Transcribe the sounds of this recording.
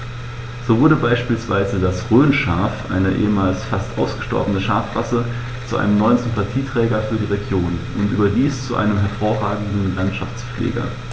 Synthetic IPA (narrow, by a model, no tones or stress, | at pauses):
z̥oːvʊɐɾəbaɪʃpiːlsv̥aɪzədasʁøːnʃaːɐfʔa̰ɪnəʔḛːəmaːlsfastʔa̰ʊsɡ̥əʃtɔ̰ɐbənəʃaɐfʁ̥a̰sə | t͡suʔa̰ɪnəmnɔʏənzʏmpatʰiːtʁ̥ɛːɡɐfyːɐdiːʁeɡjoːnʔʊntʔyːbɐdiːst͡suʔa̰ɪnəmɦɛɐfoːɐʁaːɡŋ̩dn̩lantʃaft͡sflḛːɡɐ̰